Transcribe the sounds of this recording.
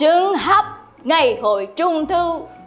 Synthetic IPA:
ɨ˨˦əŋɦa˦˥p̚ | ŋa˨˩jho̰˧˨jt͡ɕʊ˧ŋ͡mt̪ʰɨ˧

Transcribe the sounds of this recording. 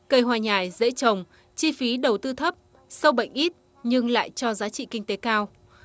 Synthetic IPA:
kə˧˩jɦwaː˨˩ɲaː˨˩jzḛ˧˥t͡ɕə˨˩wŋ͡m | t͡ɕi˧fi˨˦ɗə˨˩wt̪ɨ˧t̪ʰə˦˥p̚ | sə˧wɓə̰˧˨jŋ̟ʔi˦˥t̚ | ɲɨ˧ŋla̰ː˧˨jt͡ɕɔ˧zaː˨˦t͡ɕḭ˧˨kï˧ŋ̟t̪e˨˦kaː˧w

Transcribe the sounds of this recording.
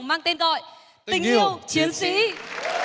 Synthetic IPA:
ŋ͡mmaː˧ŋt̪e˧nɣɔ̰˧˨j | t̪ï˧˩ŋ˧i˧əwt͡ɕi˨˦ənsḭ˧˥

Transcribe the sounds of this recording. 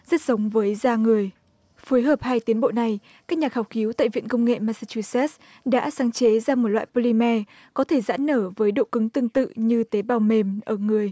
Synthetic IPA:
zə˦˥t̚sə˨˦wŋ͡mvəː˨˦jzaː˧ŋɨ˨˩əj | fu˨˦jɦəː˨˩p̚haː˧jt̪i˨˦ənɓo̰˧˨na˨˩j | kaː˦˥k̚ɲa˨˩khaː˧˩wxi˨˦wt̪a̰ː˧˨jvḭ˧˨ənkə˧wŋ͡mŋḛ˧˨maː˧saː˧t͡ɕu˧sɛ˦˥s | ɗa̰ː˧˥saː˨˦ŋt͡ɕe˨˦zaː˧mo˨˩t̚lwa̰ː˧˨jpo˧li˧mɛ˧ | kɔ˨˦t̪ʰe˧˩za̰ː˧˥nːəː˧˩vəː˨˦jɗo̰˧˨kɨ˨˦ŋt̪ɨ˧əŋt̪ɨ̰˧˨ɲɨ˧t̪e˨˦ɓaː˨˩wme˨˩mʔəː˧˩ŋɨ˨˩əj

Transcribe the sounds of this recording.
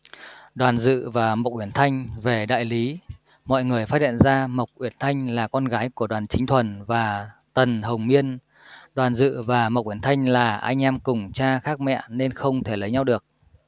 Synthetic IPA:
ɗwaː˨˩nzɨ̰˧˨vaː˨˩mə˨˩wk͡p̚ʔwi˧˩ənt̪ʰa˧jŋ̟ve˨˩ɗa̰ː˧˨jli˨˦ | mɔ̰˧˨jŋɨ˨˩əjfaː˦˥hḭ˧˨ənzaː˧mə˨˩wk͡p̚ʔwi˧˩ənt̪ʰa˧jŋ̟laː˨˩kɔ˧nɣaː˨˦jku˧˩əɗwaː˨˩nt͡ɕï˨˦ŋ̟t̪ʰwə˨˩nvaː˨˩t̪ə˨˩nhə˨˩wŋ͡mmi˧ən | ɗwaː˨˩nzɨ̰˧˨vaː˨˩m˨˩wk͡p̚ʔi˧˩ənt̪ʰa˧jŋ̟laː˨˩ʔaː˧jŋ̟ʔɛ˧mkʊ˨˩ŋ͡mt͡ɕaː˧xaː˦˥k̚mɛ̰˧˨ne˧nxə˧wŋ͡mt̪ʰe˧˩lə˨˦jɲa˧wɗɨ˨˩ək̚

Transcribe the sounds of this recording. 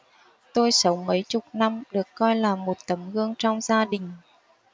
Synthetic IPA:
t̪o˧jsə˨˦wŋ͡mmə˨˦jt͡ɕʊ˨˩k͡p̚na˧mɗɨ˨˩əkːɔ˧jlaː˨˩mo˨˩t̚t̪ə˨˦mɣɨ˧əŋt͡ɕɔ˧wŋ͡mzaː˧ɗï˨˩ŋ̟

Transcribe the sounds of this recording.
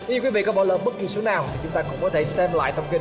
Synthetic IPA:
ə˨˦zu˨˧˩kwi˨˦vḭ˧˨kɔ˨˦ɓɔ˧˩ləː˨˩ɓə˦˥k̚ki˨˩so˨˦naː˨˩wt̪ʰi˨˩t͡ɕʊ˨˦ŋ͡mt̪aː˧kʊ̰˧˥ŋ͡mkɔ˨˦t̪ʰe˧˩sɛ˧mla̰ː˧˨jt̪ʰə˧wŋ͡mki˧n

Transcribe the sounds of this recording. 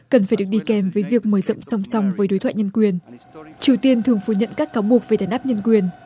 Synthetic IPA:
kə˨˩nfaː˧˩jɗɨ˨˩ək̚ɗi˧kɛ˨˩mvəː˨˦jvi˨˩ək̚məː˨˦jzɔ̰˧˨wŋ͡msa˧wŋ͡msa˧wŋ͡mvəː˨˦jɗo˨˦jt̪ʰw̰aː˧˨ɲə˧nkwi˨˩ənt͡ɕi˨˩əwt̪i˧ənt̪ʰɨ˨˩əŋfu˧˩ɲə̰˧˨nkaː˦˥kːaː˨˦wɓu˨˩ək̚ve˨˩ɗaː˨˦nʔaː˦˥p̚ɲə˧nkwi˨˩ən

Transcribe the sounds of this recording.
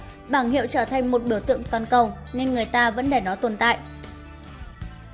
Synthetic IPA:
ɓaː˧˩ŋhḭ˧˨əwt͡ɕəː˧˩t̪ʰa˨˩ŋ̟mo˨˩t̚ɓi˧˩t̪ɨ̰˧˨əŋt̪waː˨˩nkə˨˩w | ne˧nŋɨ˨˩əjt̪aː˧və̰˧˥nɗe˧˩jnɔ˨˦t̪ə˨˩nt̪a̰ː˧˨jʔ

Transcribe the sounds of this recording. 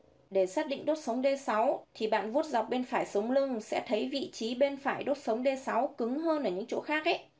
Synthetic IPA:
ɗe˧˩saː˦˥t̚ɗḭ˧˨ŋ̟ɗo˦˥t̚sə˨˦wŋ͡mɗe˧sa˨˦wt̪ʰi˨˩ɓa̰ː˧˨nvu˦˥ət̚za˨˩wk͡p̚ɓe˧nfaː˧˩jsə˨˦wŋ͡mlɨ˧ŋsɛ̰˧˥t̪ʰə˨˦jvḭ˧˨t͡ɕi˨˦ɓe˧nfaː˧˩jɗo˦˥t̚sə˨˦wŋ͡mɗe˧sa˨˦wkɨ˨˦ŋɦəː˧nʔəː˧˩ɲɨ̰˧˥ŋt͡ɕo̰˧˥xaː˦˥k̚ʔə˦j

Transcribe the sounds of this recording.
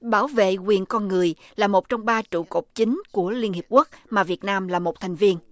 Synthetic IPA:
ɓaː˧˩wvḛ˧˨kwi˨˩ənkɔ˧nŋɨ˨˩əj | laː˨˩mo˨˩t̚t͡ɕɔ˧wŋ͡mɓaː˧t͡ɕṵ˧˨ko˨˩k͡p̚t͡ɕï˨˦ŋ̟ku˧˩əli˧ənhi˨˩əp̚ku˦˥k̚maː˨˩vi˨˩ət̚naː˧mlaː˨˩mo˨˩t̚t̪ʰa˨˩jŋ̟vi˧ən

